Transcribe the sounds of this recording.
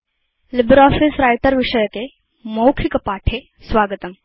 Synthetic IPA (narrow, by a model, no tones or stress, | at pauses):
libɾɔːfisɾajʈ̪əɾʋiʂəjəke | mowkʰikɐpaːʈʰe | sʋaːɡət̪əm